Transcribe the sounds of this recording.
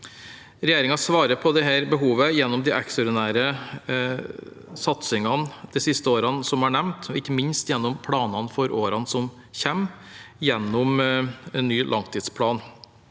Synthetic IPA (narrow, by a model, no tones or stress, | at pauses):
ɾɛjeːɾɪŋɑsʋɑːɾəpʰɔd̪ɛɦæːɾbəɦuːʋəjɛnːɔmd̪ɪʔɛksɔɾd̪ɪnæːɾə | sɑt̪sɪŋɑnd̪̥ɛsɪst̪əoːɾɑnsɔmɑɳɛʋnt̪ʰɔɪçːəmɪnst̪jɛnːɔmpʰɽɑːnɑnfɔɾoːɾɑnsɔm | çɛm | jɛnːɔmɛnːyːlʔɑŋt̪ʰiːd̪spʰlɑːn